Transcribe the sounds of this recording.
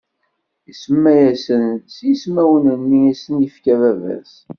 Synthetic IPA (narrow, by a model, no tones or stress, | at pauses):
isəmːæjæsənsjismæwənənːiæsənjəfkævævæ̰s